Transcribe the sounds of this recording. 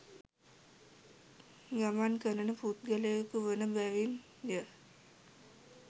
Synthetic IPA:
ɡamankənənəput̪̚ɡəlekuʋənəbɛʋin | d̪jə

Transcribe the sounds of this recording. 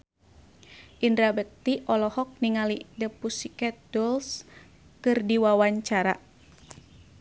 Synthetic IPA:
ʔindɾabək̚t̪iʔɔlɔhɔk̚niŋalidəpusikɛt̪̚dɔls | kɨrdiwawaɲt͡ʃaɾa

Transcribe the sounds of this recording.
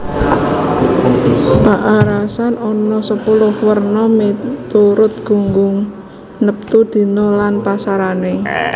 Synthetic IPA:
paʔaɾasanɔnɔsəpulʊhwərnɔmit̪uɾʊt̪̚ɡ̥ṳŋɡʊŋ | nəp̚t̪ud̪̥i̤nolanpasaɾane

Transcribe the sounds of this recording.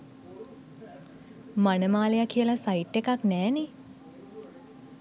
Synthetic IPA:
manəmaːlejakijəlasaiʈːekaknɛːne

